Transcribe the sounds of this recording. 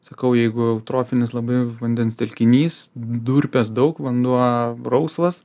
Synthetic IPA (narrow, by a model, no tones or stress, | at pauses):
sɐkɐʊjɛɪɡʊɛʊt̪ɾoːfʲɪnʲɪslˠɐbɐɪʋɐnʲd̪ʲɛnst̪ʲɛlʲkʲɪnʲiːsd̪uːɾʲpʲɛsd̪ɐʊkʋɐnd̪uɔrɐʊsʋɐs